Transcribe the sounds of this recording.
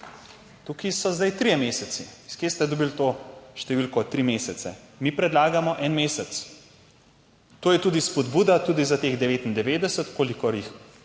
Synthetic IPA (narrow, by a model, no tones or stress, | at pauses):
t̪ukisɔzd̪ajt̪ɾijɛmeːsɛsiskjest̪ɛd̪ɔbilt̪oːʃt̪ɛʋiːlkɔt̪ɾimeːsɛt̪sɛ̰mipɾɛd̪laːɡamɔʔɛnmeːsɛt̪s | t̪oːjɛt̪ud̪ispɔd̪buːd̪at̪uːd̪izat̪eɣd̪ɛʋeːt̪ind̪ɛʋeːd̪ɛsət̪koːlikɔɾjix